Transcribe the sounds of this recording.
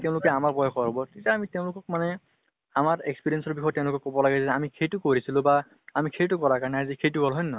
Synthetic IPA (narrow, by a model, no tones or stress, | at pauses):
teʊ̃lʊkɛamaɹpɔjɔkʰɔɦɔbɔtitaamiteʊ̃lʊkɔk̚manɛ | amaɹekspiɹiɛnsɔɹbixʰɔjtːeʊ̃lʊkɔkːɔbɔlaɡɛzɛamikʰejtʊkoɹisilʊ̃ba | amikʰejtʊkɔɹakaɹnɛazikʰejtʊɡʱɔlɦɔjnɔ